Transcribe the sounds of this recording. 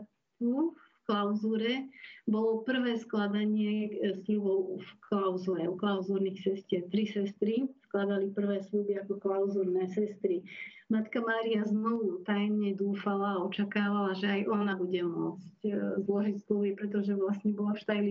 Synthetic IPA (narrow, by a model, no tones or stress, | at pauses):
t̪ufklaʊzuːɾɛbɔlɔpr̩ʋɛːsklad̪aɲɪɛslubɔʊfkʰlaʊzuːɾɛuklaʊzuːɾnixsɛscɪɛɾt̪ɾisɛst̪ɾisklad̪alipr̩ʋɛːslubiakɔklaʊzuːɾnɛːsɛst̪ɾi | mat̪kamaːɾiaznɔʋut̪ajmɲɛd̪uːfalaːɔt͡ʃakaːʋalaʒɛajʔɔnabuɟɛmʊɔt͡sczlɔʒicslubipɾɛt̪̬ɔʒɛʋlasɲɛbɔlafʃt̪ajli